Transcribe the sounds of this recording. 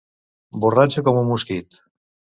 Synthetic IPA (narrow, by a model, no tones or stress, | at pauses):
borat͡ʃekomumuskit̪